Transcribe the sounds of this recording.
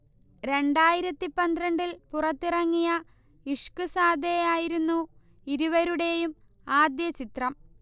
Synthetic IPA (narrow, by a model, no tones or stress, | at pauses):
ɾe̞ɳɖaːjiɾɐt̪ːipːɐnd̪ɾɐɳɖilpurɐt̪ːirɐŋːijɐ | iʂkɨsaːd̪ʱejaːjiɾunːu | iɾuʋɐɾuɽe̞jum | aːd̪jɐt͡ɕit̪rɐm